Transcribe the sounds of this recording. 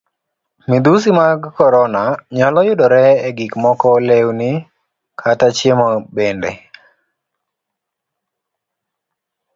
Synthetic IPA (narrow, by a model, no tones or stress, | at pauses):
mid̪us̬imaɡkɔɾɔnaɲɔlɔjʊdɔɾɛːɡɪkmɔkɔlewnɪ | kʰatat͡ʃemɔbendɛ̰